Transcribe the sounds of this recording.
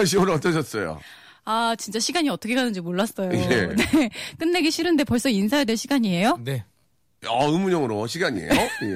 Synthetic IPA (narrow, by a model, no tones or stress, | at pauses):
ɕ̬imɯɾʌt͈ʌɕ̬ʰʌs͈ʌjo̰ | at͡ɕint͡ɕ͈aɕʰiɡaɲiʌt͈ʰʌkʰeɡanɯnd͡ʑimoɭːas͈ʌjojenek͈ɯnːe̞ɡiɕʰiɾɯnde̞pʌɭs͈ʌinsʰaedeɭɕʰiɡaɲie̞jone̞ | aɯmuɲʌŋɯɾoɕ̬ʰiɡaɲḭḛo